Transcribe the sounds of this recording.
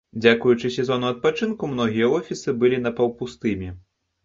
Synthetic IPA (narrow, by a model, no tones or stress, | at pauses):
d͡zʲakujut͡ʂɨsʲɛzɔnuɐt̪̚pat͡ʂɨnkumn̪ɔɣʲijɐɔfʲisɨbɨlʲinɐpɐwpust̪ɨmʲi